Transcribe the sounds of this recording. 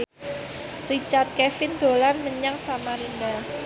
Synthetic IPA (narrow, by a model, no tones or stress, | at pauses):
rit͡ʃart̪̚kɛfɪnd̪̥o̤lanməɲaŋsamaɾinda